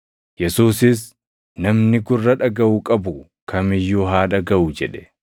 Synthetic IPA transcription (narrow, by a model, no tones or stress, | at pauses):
jɛsuːsɪs | nɐmnɪɡʊrːɐᶑɐɡɐʔukʼɐbʊ | kʰɐmɪjːuɦaːᶑɐɡɐʔʊd͡ʒɛᶑɛ̥